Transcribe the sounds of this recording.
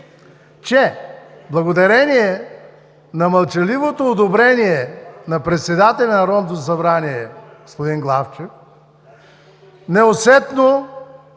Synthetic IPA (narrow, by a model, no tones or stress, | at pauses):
t͡ʃɛblˠɐɡod̪ɐɾɛnʲiɛ | nɐmɐlˠt͡ʃɐlivot̪oːd̪obɾɛniɛnɐpɾɛt̪sɛd̪at̪ɛlʲɛnɐɾɔmd̪osɐbɾaniɛɡɡospod̪inɡlˠaft͡ʃɛf | nɛosɛt̪no